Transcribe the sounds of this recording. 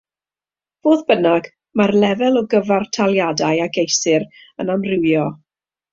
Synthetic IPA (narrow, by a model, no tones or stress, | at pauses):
v̥oːðbənaɡ | marlɛvɛlˠɔɡəvartʰalˠjadajaɡejsɨɾ | ənamrɪwjɔ